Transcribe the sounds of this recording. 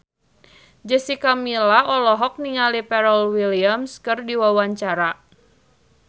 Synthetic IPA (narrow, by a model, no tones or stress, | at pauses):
d͡ʒəsikamilaʔɔlɔɦɔk̚niŋalipɛɾɔlwiliamskɨrdiwawaɲt͡ʃaɾa